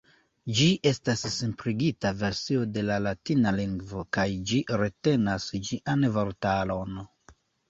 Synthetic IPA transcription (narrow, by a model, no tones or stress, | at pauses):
d͡ʒiʔe̞stassempɾiɡitave̞ɾsio̞de̞lalatinaliŋɡvo̞kajd͡ʒiɾe̞te̞nasd͡ʒiʔanvoɾtalo̞n